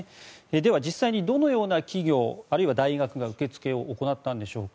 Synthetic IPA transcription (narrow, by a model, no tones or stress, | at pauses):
ed̪e̞βad͡ʑisːaiɲ̟id̪o̞no̞jo̞ːnakʲiɡʲo̞ːaɾɯ̟iβad̪aiɡakɯ̟ɡaɯ̟ke̞t͡sɨ̥ke̞o̞ʔːko̞nat̪ːãnd̪e̞ɕo̞ːka